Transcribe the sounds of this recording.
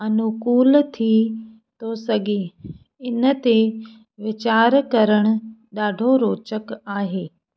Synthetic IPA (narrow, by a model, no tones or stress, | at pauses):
ɐnʊkuːlt̪ʰi | t̪osɐɠẽ | ɪnə̆t̪e | ʋɪt͡ɕaːɾkɐɾəɽ̃ʊ̆ɗaːɖʱoɾoːt͡ʃəkaːɦeː